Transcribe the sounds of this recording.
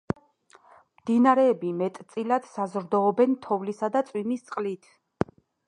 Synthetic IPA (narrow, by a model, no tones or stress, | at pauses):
md̪̥inaɾɛːbimɛt̪ʼt̪sʼilad̪̥sazɾd̪ɔːbɛnt̪ʰɔvlisad̪at̪sʼwimist̪sʼqʼlit̪ʰ